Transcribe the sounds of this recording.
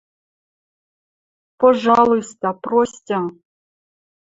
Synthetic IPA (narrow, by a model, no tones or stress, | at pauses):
poʐɑlˠujst̪ɑprosʲtʲa